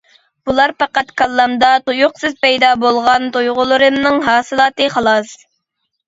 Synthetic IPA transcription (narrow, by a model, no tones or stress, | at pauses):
b̥ulˠɑɾpɑqɑt̪kʰɑlˠːɑmd̪ɑt̪ojʊqsɨzpɛjd̪ɑbolˠʁɑnt̪ojʁʊlˠɨɾɨmnɨŋɦɑːsɨlˠɑːt̪ɨχɑlˠɑs